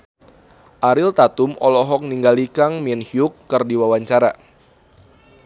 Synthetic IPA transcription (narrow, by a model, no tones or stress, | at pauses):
ʔaɾɪlt̪at̪umɔlɔɦɔk̚niŋɡalikaŋmiɛnhiukːɨrdiwawaɲt͡ʃaɾa